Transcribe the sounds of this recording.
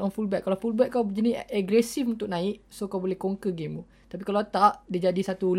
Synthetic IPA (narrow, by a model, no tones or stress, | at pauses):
ɔnfulbɛʔ̚kalawfulbɛʔ̚kawbəd͡ʒəniɛɡɾɛsifunt̪ʊk̚naɪk̚sokawbolɛhkoŋkəɡimu | t̪ap̬ikalat̪aʔdid͡ʒadisat̪ul